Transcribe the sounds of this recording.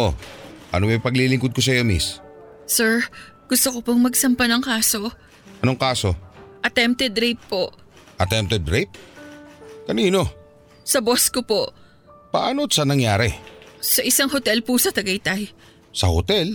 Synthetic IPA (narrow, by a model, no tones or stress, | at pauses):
ʔo̰ʔɐ̰nomɐjpɐɡlilɪŋkod̪̚kos̬ɐjo̞mḭssɛɹ | ɡ̥ʊst̪okopoŋmɐɡsɐmpɐnɐŋkaːso̞ | ʔɐnoŋkaːso̞ʔɐt̪ɛmp̚t̪ɛd̪ɾejpːoʔ | ʔɐt̪ɛmp̚t̪ɛd̪ɾɛjp̚ | kɐniːno̞ | sɐboskopo̞ʔ | pɐʔaːnosɐnɐŋjaːɾɛsɐʔɪsaŋhot̪ɛlpusɐt̪ɐɡɐjt̪aj | sɐhot̪ɛl